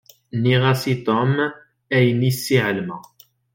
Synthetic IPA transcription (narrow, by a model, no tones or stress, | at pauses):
niʁasit̪ɔm | æjənisːiʕəlmæ